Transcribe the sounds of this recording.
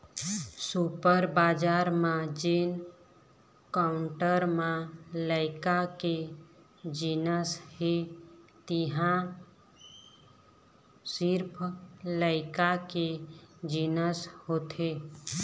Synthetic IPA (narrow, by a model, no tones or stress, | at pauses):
supəɾbad͡ʒaːɾmãd͡ʒen | kaʊɳʈəɾmãləɪkake | d͡ʒinəshet̪iɦã | siɾpʰləɪkaked͡ʒinəshot̪ʰe